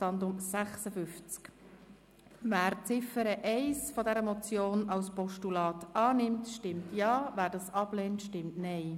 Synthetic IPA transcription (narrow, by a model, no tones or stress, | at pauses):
ɑndʊmsæχsəfʏft͡sk | væːɾt͡sɪfəɾəʔɛɪsfɔdɛɾəmɔt͡sjoːnɑlspɔʃtulɑːtɑːnɪmtʃtɪmtjɑːvæːɾdɑːsɑb̥lɛːntʃtɪmtnɛɪ